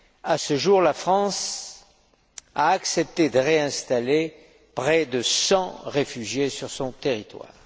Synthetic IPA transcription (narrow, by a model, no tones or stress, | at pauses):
asəʒuʁlafχɑ̃s | aːksɛp̚t̪ed̪əʁeɛ̃st̪ale | pχɛd̪əsɑ̃ʁefyʒjesyʁsɔ̃t̪eʁit̪wa̰ːʁ